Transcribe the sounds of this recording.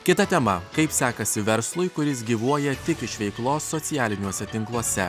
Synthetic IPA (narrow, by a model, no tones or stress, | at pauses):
kʲɪt̪ɐt̪ʲɛmɐkɐɪpsʲæːkɐsʲɪʋʲɛɾslˠʊɪkʊɾʲɪs̬ɡʲiːʋuɔjɛt̪ʲɪkɪʃʋʲɛɪklˠoːsːɔt̪sʲɪjæːlʲɪnʲuɔsʲɛt̪ʲɪŋklˠuɔsʲɛ